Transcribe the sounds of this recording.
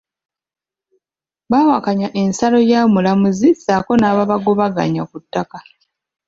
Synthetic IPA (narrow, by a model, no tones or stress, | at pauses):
βawakaɲaʔe̞nsalo̞jaːmulamuzisaːko̞naβaβaɡoβaɡa̰ɲakutːaka